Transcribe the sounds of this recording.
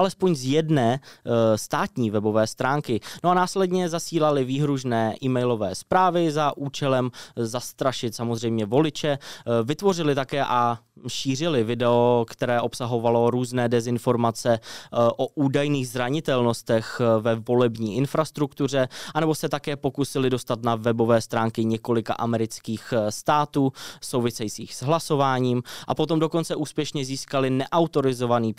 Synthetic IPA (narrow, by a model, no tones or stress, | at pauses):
ʔalɛspo̞ɲzjɛdnɛːst̪aːt̪ɲiːvɛbo̞vɛːst̪ɾaːŋkɪnoanaːslɛdɲɛzasiːlalɪviːɦɾuʒnɛːʔiːmɛjlo̞vɛːspɾaːvɪzaʔuːt͡ʃɛlɛmzast̪ɾaʃɪt̪samozrɛjmɲɛvo̞lɪt͡ʃɛvɪt̪vo̞r̝ɪlɪt̪akɛːʔaʃiːr̝ɪlɪvɪdɛokt̪ɛɾɛːʔo̞psaɦo̞valo̞ɾuːznɛːdɛzɪnfo̞ɾmat͡sɛʔoʔuːdajniːɣzɾaɲɪt̪ɛlno̞st̪ɛxvɛvo̞lɛbɲiːɪnfɾast̪ɾukt̪ur̝ɛʔanɛbo̞sɛt̪akɛːpo̞kusɪlɪdo̞st̪at̪navɛbo̞vɛːst̪ɾaːŋkɪɲɛko̞lɪka̰ʔamɛɾɪt͡skiːxst̪aːt̪uːsowvɪsɛjit͡siːxz̥ɦlaso̞vaːɲiːmʔa̰po̞t̪o̞mdo̞ko̞nt͡sɛʔuːspjɛʃɲɛziːskalɪnɛʔawt̪o̞ɾɪzo̞vaniː